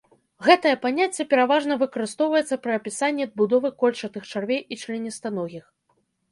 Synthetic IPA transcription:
ɣɛt̪ɐjɐpanʲat͡sʲːɐpʲɛɾavaʐnɐvɨkɐɾɨst̪ɔwvɐjɛt̪sːɐpɾɨɐpʲisanʲːiɐd̪̚bud̪ɔvɨkɔlʲt͡ʂɐt̪ɨxt͡ʂarvʲejʔit͡ʂlʲɛnʲɛst̪anɔɣʲix

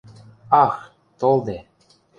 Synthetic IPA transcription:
ɑx | t̪olˠd̪e

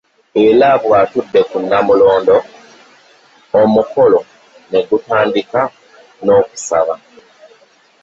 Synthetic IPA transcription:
elaβwaːtudːe̞kunːamulo̞ːndo̞ | muko̞lo̞ | ne̞ɡutaːndika | no̞ːku̥saβa

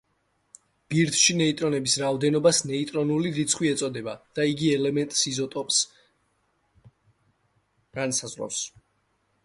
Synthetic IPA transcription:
b̥iɾt̪ʰʃinɛit̪ʼɾɔnɛbisɾaɔd̪ɛnɔbasnɛit̪ʼɾɔnuliɾit̪sʰχwiɛt̪sʼɔd̪ɛbad̪̥aiɡiɛlɛmɛnt̪ʼsizɔt̪ʼɔpʼs | ɡ̥ansazvɾɔ̰fs

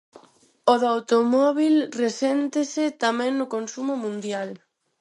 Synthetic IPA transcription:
oðawt̪omɔβilresɛnt̪ɪsɪt̪amɛ̃ŋnʊkonsumʊmũnd̪jal

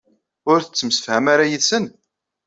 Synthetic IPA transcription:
ʊɾθət͡sːəmsə̥fhæmaɾajəðsən

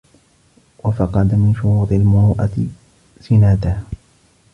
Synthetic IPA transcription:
wafɑqɑd̪amɪnʃʊɾuːt̪ˤɪlmʊɾuːʔat̪ɪ | sɪnaːt̪ah

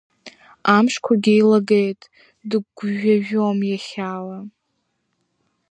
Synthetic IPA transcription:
amʂkʷʰaɡʲejlaɡejtʼ | dɨɡʷʒaʒᶣomjaχʲaːwa

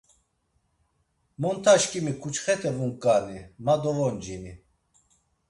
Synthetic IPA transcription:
mɔnt̪ʰaʃkʼimikʰut͡ʃχɛt̪ʰɛvuŋkʼanimad̪ɔvɔnd͡ʒini

